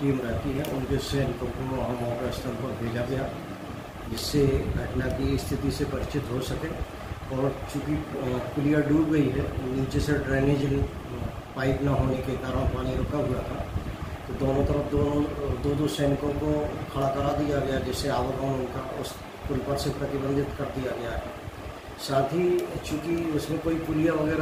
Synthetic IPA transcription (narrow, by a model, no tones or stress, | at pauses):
ʈiːmɾɛɦt̪iɦɛʔʊnkesɛːnɪkõkoɦəmɔːkeɪst̪əɾpəɾbʱeːd͡ʒaɡɐja | d͡ʒɪsːeɐʈnakiɪst̪ʰɪt̪isepɐɾɪt͡ʃɪt̪ɦosɐkẽː | ɔːɾt͡ʃũːkikʊlijaɖuːpɡɐiɦɛniːt͡ʃeseɖɾeːneːd͡ʒn | paːɪpnɐɦoːnekek̪aːɾə̃ñpaːniɾokaɦʊjat̪ʰat̪od̪oːnõt̪əɾəfd̪oːnõd̪oːd̪osɛːnɪkõkokʰɐɽakɐɾad̪ijaɡɐjad͡ʒɛːseaːʋəɡəːnʊnkaʊ̰s | kʊlpəɾsepɾət̪ɪbə̃nd̪ʱɪt̪kɐɾd̪ijaɡɐjaɦɛ̰ː | saːt̪ʰit͡ʃũːkiʊsmẽkoːikʊlijaʋɐɡɛːɾ